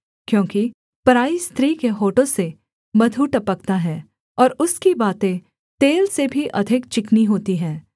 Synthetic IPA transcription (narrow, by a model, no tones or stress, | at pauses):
kjõːki | pɐɾaːist̪ʰɾiːkeɦoːʈõse | mɐd̪ʱuʈɐpəkt̪aɦɛː | ɔːɾʊskibaːt̪ẽ | t̪eːlsebʱiʔɐd̪ʱɪkt͡ʃɪkniɦoːt̪iɦɛ̃ː